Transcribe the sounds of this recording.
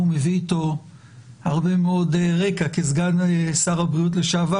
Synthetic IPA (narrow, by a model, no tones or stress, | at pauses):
umeviːto̞ | haʁbe̞meo̞deʁekakezɡanesaʁabʁiut̬le̞ʃava